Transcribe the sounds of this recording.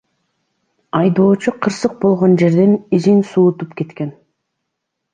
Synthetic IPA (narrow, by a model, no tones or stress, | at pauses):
ɑjd̪o̞ːt͡ʃuqʰɯɾsɯq̚bo̞lˠʁo̞nd͡ʒe̞ɾd̪e̞nizinsuːt̪upke̞t̪ke̞n